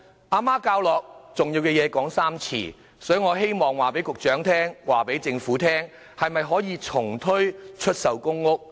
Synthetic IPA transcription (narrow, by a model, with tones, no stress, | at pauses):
ʔaː˧maː˥kaː˧wlɔː˨k̚t͡sʊ˨ŋjiː˧wkɛː˧jɛː˨˧kɔː˨˥ŋsaː˥mt͡sʰḭː˨˩ | sɔː˨˥ŋɔː˨˧˥ɦe˥jmɔː˨˩ŋwaː˨˩pe˨˥jkʊ˨k̚t͡ʃœː˨˥ŋt̪ʰɛː˥ŋwaː˨pe˨˥jt͡sɪ˧ŋfuː˨˥t̪ʰɛː˥ŋ | hɐ˨jmɐ˨jɦɔː˨˥jiː˨˧t͡sʰʊ˨˩ŋt̪ʰɵ˥ɥt͡ʃʰɵ˥t̚sɐ˨wkʊ˥ŋːʊ˥k̚